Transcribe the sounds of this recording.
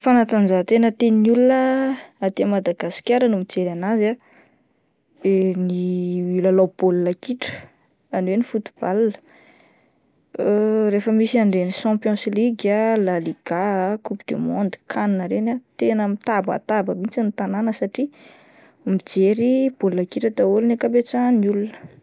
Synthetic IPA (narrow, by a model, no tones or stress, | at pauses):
fanat̪anzat̪enət̪enulunəat̪emad̪aɡasi̥kʲaɾənumid͡zeɾanaza | eniilalawb̥olunəkiʈ͡ʂə̥ | aɳwenifut̪u̥b̥alnə̥ | refəmisiaɳɖ͡ʐeniʃãpjɔ̃sliɡalaliɡ̥akupid̪̥emond̪i̥kʰaninəɾenat̪enəmit̪aba̰t̪abəmit͡sanit̪ananəsaʈ͡ʂi | mid͡zeɾib̥olunakiʈ͡ʂəd̪aulunekabet͡saniulunə̥